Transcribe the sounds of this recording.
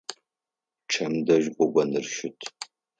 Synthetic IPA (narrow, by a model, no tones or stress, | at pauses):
ʈ͡ʂʰɐmdɐʒɡʷɔɡʷɐnɨrʃɪtʰ